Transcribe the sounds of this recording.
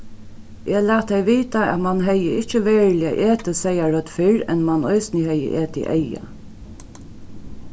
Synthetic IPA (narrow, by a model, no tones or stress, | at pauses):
ʔɛːlæːt̪ʰːɛɪʋiːt̪aæ̰t̪manɦɛjəɪht͡ʃəʋeːɹlɪa̰ʔeːt̪əsɛjaɹœt̪fɪɹɛnmanɔɪsnɪhɛjə̰ʔeːt̪ɪ̰ʔɛja̰